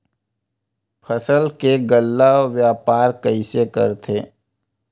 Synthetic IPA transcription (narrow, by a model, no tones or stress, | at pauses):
pʰəsəlkeɡəlːaoʋjaːpaːɾkəisekə̰ɾt̪ʰeː